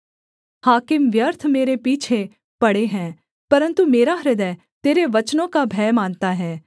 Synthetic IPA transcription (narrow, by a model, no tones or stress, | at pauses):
haːkɪmʋjəɾt̪ʰmeːɾepiːt͡ʃʰe | pɐɽeɦɛ̃ː | pɐɾə̃nt̪umeːɾaɦɾɪd̪ɛː | t̪eːɾeʋɐt͡ʃnõkabʱɛːmãːnt̪aɦɛː